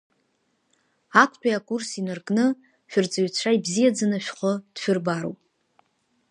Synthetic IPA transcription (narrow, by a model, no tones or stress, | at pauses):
akʷʰʼt͡pʼᶣajakʼursinɨrkʼnɨ | ʃʷᶣʊrt͡sʼaɥt͡ɕʷʰaibzijad͡zɨnɨʃᶣχʷəd̥ʃᶣʊrbaɾowpʼ